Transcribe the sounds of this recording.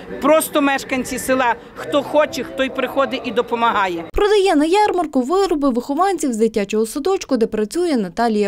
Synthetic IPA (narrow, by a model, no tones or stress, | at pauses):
pɾɔst̪ɔmɛʃkɐnʲt͡sʲisɪlˠɑ | xt̪ɔxɔt͡ʃɛxt̪ɔjpɾɪxɔd̪ɪʔid̪ɔpɔmɐɦɑjɛpɾɔd̪ɐjɛnɐjɑrmɐrkʊʋɪɾɔbɪʋɪxɔʋɑnʲt͡sʲiwzd̪ɪtʲːat͡ʃɔɦɔsɔd̪ɔt͡ʃkʊd̪ɛpɾɐt͡sʲujɛnɐt̪ɑlʲijɐ